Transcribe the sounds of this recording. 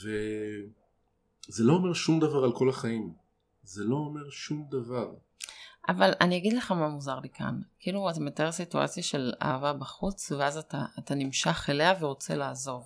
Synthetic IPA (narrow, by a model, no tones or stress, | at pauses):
ve | zeloome̞ʁʃumd̪avaʁalko̞laχaim | zelo̞ːme̞ʁʃumd̪avaʁ | ʔavalaniaɡid̪le̞χamamuzaʁlikʰa̰nkiluatameteesitua̰t͡sjaʃe̞la̰ːvabaχut͡sveazataːtanimʃaχeleaveʁo̞t͡se̞laːzo̞v